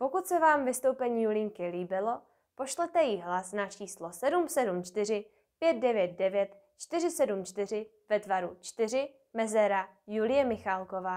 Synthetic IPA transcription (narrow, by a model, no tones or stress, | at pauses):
po̞kut̪sɛvaːmvɪst̪o̞wpɛɲiːulɪŋkɪliːbɪlo̞ | po̞ʃlɛt̪ɛjɪɦlasnat͡ʃiːslo̞sɛdumsɛdumt͡ʃt̪ɪr̝ɪ | pjɛt̪̚dɛvjɛt̪̚dɛvjɛt̪ | t͡ʃt̪ɪr̝ɪsɛdumt͡ʃt̪ɪr̝ɪ | vɛt̪vaɾut͡ʃt̪ɪr̝ɪ | mɛzɛɾajulɪjɛmɪxalko̞vaː